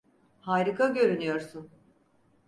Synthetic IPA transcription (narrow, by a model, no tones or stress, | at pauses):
haːjɾɯkʰaɟø̞ɾynyjo̞ɾsun